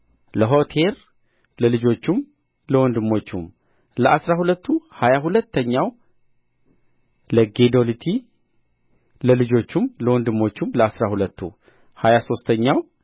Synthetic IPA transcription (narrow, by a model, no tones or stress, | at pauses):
ləɦo̞t̪ʰe̞ɾ | ləlɨd͡ʒo̞t͡ʃːum | ləwɔnd̪ɨmːo̞t͡ʃːum | ləʔasɾahulət̪ːuhajaɦulət̪ʰːəɲːaw | ləɡe̞d̪olit̪ʰi | ləlɨd͡ʒo̞t͡ʃːumləwɔnd̪ɨmːo̞t͡ʃːumləasɾahulət̪ʰːṵ | hajaso̞st̪ʰəɲːaw